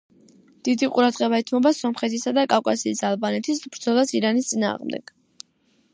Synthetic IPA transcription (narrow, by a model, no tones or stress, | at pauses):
d̪̥id̪iqʼuɾad̪ʁɛβaɛt̪ʰmɔbasɔmχɛt̪ʰisad̪akʼafkʼasiːsalˠbanɛt̪ʰisbɾd̪zɔlˠasiɾanist̪sʼina̰ːʁmd̪ɛ̰ɡ̥